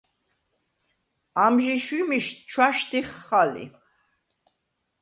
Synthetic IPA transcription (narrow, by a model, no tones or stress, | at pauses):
amʒiʃimiʃt͡ʃʰwaʃt̪iχːalḭ